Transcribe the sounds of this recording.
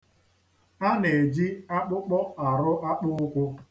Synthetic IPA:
a˦ne˨d͡ʒi˦a˦k͡pʊ˦k͡pɔ˦a˨ɾʊ˦ʔa˦k͡pʊ˦ʊ˦kʷʊ˦

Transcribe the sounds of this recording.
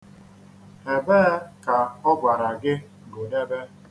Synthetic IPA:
e˨beː˦ka˨ɔ˦bʷa˨ɾa˨ɡɪ˦˨ | ɡo˨de˦be˦

